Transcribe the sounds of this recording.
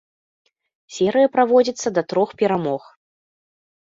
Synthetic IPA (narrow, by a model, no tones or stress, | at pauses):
sʲɛɾɨjɐpɾavɔd͡zʲit̪sːɐd̪ɐt̪ɾɔxpʲɛɾamɔx